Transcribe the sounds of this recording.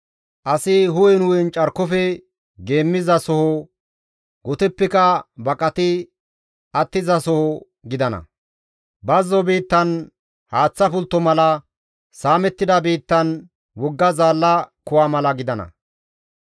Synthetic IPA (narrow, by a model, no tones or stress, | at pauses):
ʔɐsɪɦʊwɛnʊwɛnt͡ʃʼɐɾkːɔfɛ | ɡe̞ːmːɪzɐsɔhɔ | ɡɔt̪ɛpːɛkɐbɐkʼɐt̪ɪ | ɐt̪ːɪzɐsɔhɔ | ɡɪd̪ɐnɐ̰ | bɐzːɔbiːt̪ːɐn | haːt͡sːɐfʊlt̪ːɔmɐlɐ | saːmɛt̪ːɪd̪ɐbiːt̪ːɐn | wɔɡːɐzaːlːɐkʊwaːmɐlɐɡɪd̪ɐnɐ̰